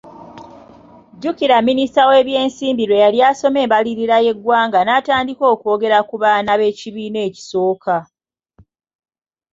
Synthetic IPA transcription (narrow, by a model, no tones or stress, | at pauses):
ɟukiɾamːinistawe̞ːβje̞ːnsiːmbiɾwe̞jaljaːso̞me̞ːmbaliɾiɾaje̞ɡwaːŋɡanataːndiko̞ːko̞ːɡe̞ɾakuβanaβe̞ciβiːne̞ːci̥so̞ːka